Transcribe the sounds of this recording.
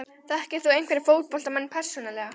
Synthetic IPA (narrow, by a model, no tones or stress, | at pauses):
θaðɛhcɪɾ̥θuejnkvɛɾɪfoːwt̪̚pɔlt̪amanːpʰɛr̥sɔnalɛɣa